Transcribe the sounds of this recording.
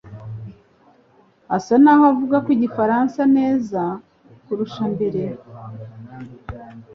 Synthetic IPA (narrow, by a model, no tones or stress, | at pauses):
asanaːhoavuɡakwiɟifaɾansane̞ːza | kuɾuʃambe̞ɾe̞